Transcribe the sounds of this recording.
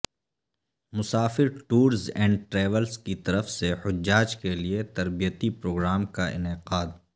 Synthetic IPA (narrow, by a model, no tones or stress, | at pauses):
mʊsaːfɪɾʈuːɾzɛ̃ːɳɖʈɾɛːʋəlskit̪ɐɾəfsehʊd͡ʒːaːd͡ʒkeliet̪ɐɾbijət̪ipɾoːɡɾaːmkaʔɪ̰nɪqaːd̪